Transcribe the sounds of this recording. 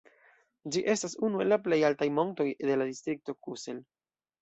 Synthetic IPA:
d͡ʒiʔe̞stasunue̞lːaple̞jaltajmo̞ŋto̞jde̞ladistɾik̚to̞kusel

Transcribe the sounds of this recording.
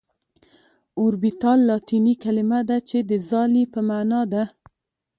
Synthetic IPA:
ʊɾbit̪ɑlːɑt̪inikalɪmad̪at͡ʃed̪əzɑlipəmanɑd̪a

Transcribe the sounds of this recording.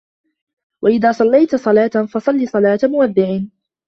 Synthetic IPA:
wʔaʔɪðaːsˤɑlːajt̪sˤɑlaːt̪fɑsˤɑlːiːsˤɑlaːt̪mʊwaðːɪʕɪ

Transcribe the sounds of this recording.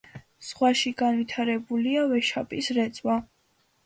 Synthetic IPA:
sχwaʃiɡanvit̪ʰaɾɛbuliavɛʃapʼisɾɛt̪sʼwa

